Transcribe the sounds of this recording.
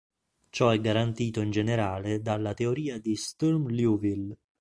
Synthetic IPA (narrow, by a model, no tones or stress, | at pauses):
t͡ʃɔɛɡːaɾant̪iːt̪oind͡ʒeneɾaːled̪alːat̪eoɾiːad̪ist̪urmljuvil